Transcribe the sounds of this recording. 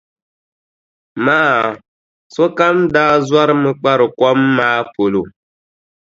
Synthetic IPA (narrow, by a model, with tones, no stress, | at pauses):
maː˦˨ | sɔ˦ka˦mdaː˦zwa˦ɾɨ˦mɨ˦k͡pa˦ɾɨ˨kwɔ˦mːaː˦po˨lo˨